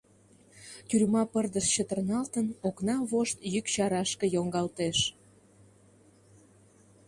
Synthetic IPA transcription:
t̪ʲyɾmɑpərd̪əʃt͡ɕət̪ərnɑlt̪ənoknɑβoʃt̪jykt͡ɕɑɾɑʃkə̆joŋɡɑlt̪eʃ

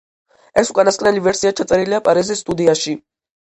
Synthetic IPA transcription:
ɛsukʼanaskʼnɛlivɛɾsiat͡ʃʰat̪sʼɛɾiliapʼaɾizisːt̪ʼud̪iaʃi

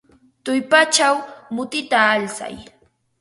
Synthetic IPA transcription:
t̪ʊjpat͡ʃawmʊt̪ɪt̪aːlsa̰j

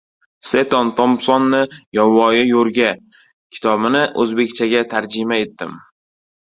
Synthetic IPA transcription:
set̪ɒnt̪ʰɒmsɒnːɪjɒwɒjɪjoɾɡʲa | kʲʰɪ̥t̪ʰɒbɪnɪʔɵzbe̞kʲt͡ʃʰaɡʲat̪ʰaɾd͡ʒɪmae̞t̪ːɪ̰m

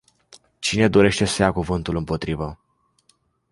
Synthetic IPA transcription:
t͡ʃine̞d̪o̞ɾe̞ʃt̪e̞səjakuvɨnt̪ulɨmpo̞t̪ɾivə

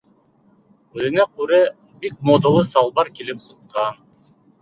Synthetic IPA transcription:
ʉzɘ̆næqʉɾe | bik̚mod̪olˠɤsɑlˠbɑɾkilipsɤ̆q̚qɑn

